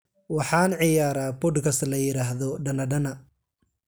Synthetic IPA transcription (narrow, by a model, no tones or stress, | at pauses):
wɑħɑːnʕɪjaːɾabʊdkʰɐslɐjɪɾaːɦðɔɖɐnɐɖɐnɐ